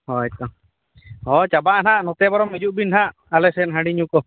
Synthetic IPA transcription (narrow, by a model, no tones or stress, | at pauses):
hɔɛt̪̚ɔ | hɔt͡ʃabaʔnaʔnɔt̪ɛbaɾɔmid͡ʒuʔbinɦaʔ | alɛsɛnɦãɽiɲukɔ